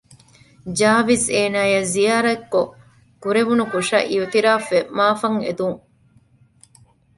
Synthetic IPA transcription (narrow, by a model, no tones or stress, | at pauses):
d͡ʒaːʋiseːnaːjɐzijaːɾɐkːo | kuɾeʋunukuʃɐ̰ʔiut̪iɾaːfemaːfɐŋed̪uŋ